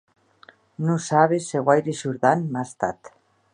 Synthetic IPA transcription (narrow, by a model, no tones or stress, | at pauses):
nusaβeseɣwajɾiʃuɾðanmast̪at̪